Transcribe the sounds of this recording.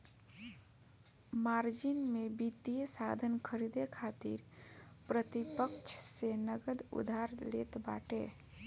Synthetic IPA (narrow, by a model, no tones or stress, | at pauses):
maɾd͡ʒinmebit̪ijesad̪ʱənkʰəɾid̪ekʰat̪ḭɾpɾət̪ipəkt͡ʃʰsenəɡəd̪ṵd̪ʱaɾlet̪ba̰ʈḛ